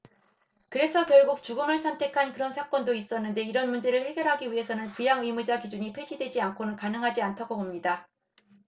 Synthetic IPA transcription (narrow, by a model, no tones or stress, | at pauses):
kɯɾe̞sʰʌkjʌɭɡuk̚t͡ɕuɡɯmɯɭsʰʌmtʰe̞kʰankɯɾʌnsʰak͈ʌndois͈ʌnːɯnde̞iɾʌnmund͡ʑeɾɯɭhe̞ɡjʌɾɦaɡiɥiɦe̞sʰʌnɯnpujaŋɯimud͡ʑakid͡ʑuɲipʰed͡ʑidwe̞d͡ʑiankʰonɯnkanɯŋɦad͡ʑiantʰaɡobomɲida